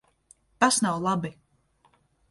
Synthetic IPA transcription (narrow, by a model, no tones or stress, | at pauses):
t̪asnawlˠabi